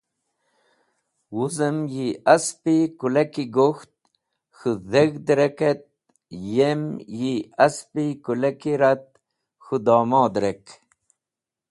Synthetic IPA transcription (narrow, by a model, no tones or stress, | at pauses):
wuzəmjiaspikulekiɡoxt̪̚ | xuðeɣd̪ɾeket̪̚ | jemjiɐspikulekiɾat̪̚ | xud̪ɑːmɑːd̪ɾek